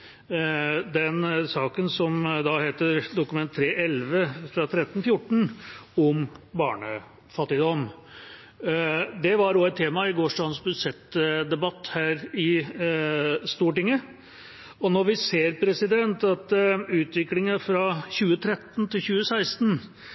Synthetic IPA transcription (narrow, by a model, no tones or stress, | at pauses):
d̪ɛnsɑːkənsɔmd̪ɑheːt̪əɾd̪ʊkʉmɛnt̪ʰːɾeːʔɛlʋəfɾɑt̪ʰɾɛt̪ːənfjʊʈːɳ̩ɔmbɑ̰ːɳə | fɑt̪ːɪd̪ɔm | d̪ɛʋɑɾoɛt̪ʰːeːmɑɪɡoːʂɖɑːd̪nsbʉsɛt̪ːd̪ɛbɑt̪ːhæːɾɪ | st̪uːʈɪŋːə | ɔnɔɾʋɪseːɾpʰɾɛsɪd̪ɛnt̪ɑt̪ʉːt̪ʋɪklɪŋəfɾɑçʉːət̪ʰɾɛt̪ːnt̪ʰɪlçʉːəsæɪst̪n